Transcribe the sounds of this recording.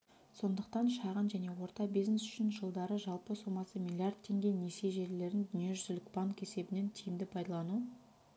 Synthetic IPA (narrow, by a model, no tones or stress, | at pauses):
so̞nd̪əqt̪ɑnʃɑʁənʒæne̞wo̞ɾt̪ɑbijznesʏ̥ʃɪnʒəlˠd̪ɑɾəʒɑlˠpəso̞mɑsəmʲilʲˠjard̪̚t̪ʰːe̞ŋɡʲe̞nese̞ʒe̞ɾle̞ɾɪnd̪ʏnije̞ʒʏzɪlɪkʲb̥aŋke̞se̞bɪne̞nt̪ʰijɪmd̪ɪpʰɑjd̪ɑlˠɑnu